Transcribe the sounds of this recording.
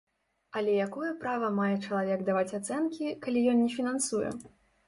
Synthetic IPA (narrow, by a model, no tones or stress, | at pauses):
ɐlʲɛjakɔjɛpɾavɐmajɛt͡ʂɐlˠavʲɛɡd̪avat͡sʲat̪sɛnkʲikalʲijɔnnʲɛfʲinansujɛ̰